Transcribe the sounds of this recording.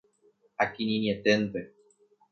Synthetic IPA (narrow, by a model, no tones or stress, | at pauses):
hakinĩniet̪ent̪e